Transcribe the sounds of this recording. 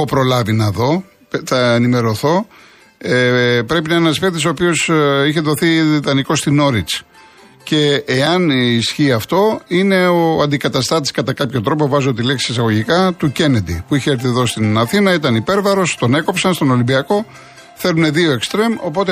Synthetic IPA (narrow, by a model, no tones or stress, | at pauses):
opɾo̞lɐvinɐðo̞ | θɐenime̞ɾo̞θo̞ | epɾe̞pinɐenɐsfekt̪iso̞ːpio̞siçe̞ðo̞θiðit̪ɐniko̞st̪ino̞ɾit͡s | ce̞ːɐnisçiɐft̪o̞ine̞oɐnd̪ikɐt̪ɐst̪ɐt̪̬i̥skɐt̪ɐkɐpçot̪ɾo̞po̞vɐzot̪̬ileksi̥esɐɣo̞ʝikɐt̪uce̞ned̪ḭpuiçeɐɾθiðo̞st̪inɐθinɐit̪ɐnipe̞ɾvɐɾo̞st̪o̞ne̞ko̞psɐnst̪o̞no̞limbiɐko̞ | θe̞ɾune̞ðio̞e̞kst̪ɾe̞mo̞po̞t̪e